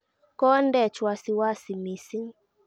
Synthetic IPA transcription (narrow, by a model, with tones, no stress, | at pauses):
kɔ˦ndɛ˦˨t͡ʃwa˧si˧wa˦si˨mi˨si˦ŋ